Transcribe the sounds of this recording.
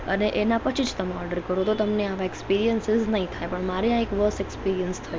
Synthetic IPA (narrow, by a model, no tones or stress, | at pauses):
əneʔenapət͡ʃʰid͡ʒt̪əmeɔɾɖəɾkəɾot̪ot̪əmneaʋaekspiɾijənsɪznəɦĩt̪ʰajpəɳmaɾeãekʋəsɛkspiɾijənst̪ʰəju